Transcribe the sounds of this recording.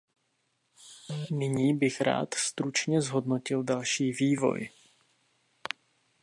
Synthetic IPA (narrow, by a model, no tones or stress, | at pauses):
nɪɲiːbɪxɾa̰ːt̪st̪ɾut͡ʃɲɛzɦo̞dno̞cɪldalʃiːviːvo̞̰j